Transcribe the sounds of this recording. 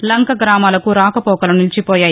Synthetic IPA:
lɐŋkɐɡɾaːmaːlɐkuɾaːkɐpɔːkɐlɐnilt͡ʃipoːjaːj

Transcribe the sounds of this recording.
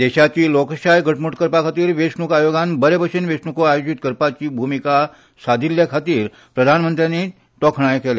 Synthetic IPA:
d̪eɕat͡ɕiːlokɕajɡəʈmuʈkəɾpakʰat̪iːɾʋesnukajoɡanbəɾebəʂenʋesnukoajod͡ʑit̪kəɾpat͡ɕiːbʱumika | sad̪ʱiljəkʰat̪iːɾ | pɾəd̪ʱanmənt̪ɾjane | t̪ɔkʰɳ̃ajkele

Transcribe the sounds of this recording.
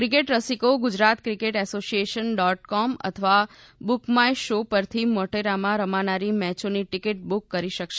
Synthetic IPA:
kɾik̬eʈɾəsikoɡʊd͡ʒɾat̪kɾikeʈɛsosijeʃənɖɔʈkɔmə̰t̪ʰəʋa | bukmajʃopəɾt̪ʰiməʈeɾamãɾəmanaɾimɛt͡ʃoniʈikeʈ̚bukːəɾiʃəkʃe

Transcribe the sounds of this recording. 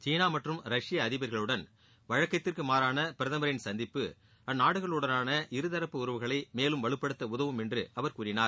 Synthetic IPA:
t͡ʃiːnaːmɐʈrɯmɾɐʂɪjɐːðɪbɐɾɣɐɭɯɽɐn | ʋɐɻɐkːɐt̪ːɪrkɯmaːɾaːnɐpɪɾɐðɐmɐɾɪnsɐnd̪ɪpːɯ | ɐnːaːɽɯɣɐɭɯɽɐnaːnɐʔɪɾɯðɐɾɐpːɯʊɾɯʋɯɣɐɭɐɪmeːlɯmʋɐɭɯpːɐɽɯt̪ːɐʊðɐʋɯmɛndrɯ̰ʔɐʋɐɾkuːrɪnaːɾ

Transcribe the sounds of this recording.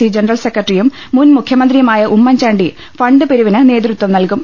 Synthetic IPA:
id͡ʑenɐrɐlsekːɐʈrijumːunmukʰjɐmɐnd̪rijɐmaːjɐʔumːɐɲt͡ɕaːɳɖi | fɐɳɖɨpeɾuʋinɨne̞ːd̪rɨt̪wɐmnɐlkum

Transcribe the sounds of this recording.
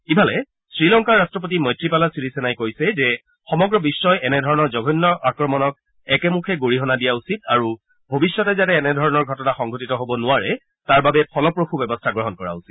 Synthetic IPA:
kibʱalɛ | sɹilɔŋkaɹːastɹɔp̬ot̬imɔjtɹipalasiɹisɛnajkojsɛzɛ | xɔmɔɡɹɔbisːɔjɛnɛdʱɔɹɔnɔɹzɔɡʱɔnːɔʔakɹɔmɔnɔk̚ | ɛkɛmukʰɛɡoɹiɦɔnadijausitaɹu | bʱobisːɔtɛzatɛːnɛdʱɔɹɔnɔɹɡʱɔtɔnaxɔŋɡʱotitɔɦobɔnʊaɹɛ | taɹbabɛpʰɔlɔpɹoxubɛbɔstʰaɡɹɔɦɔnkɔɹa̰usi̥t̚

